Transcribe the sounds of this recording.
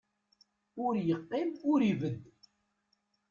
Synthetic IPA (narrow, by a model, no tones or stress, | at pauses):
ʊɾjəqːɪmʊɾivəd̪ː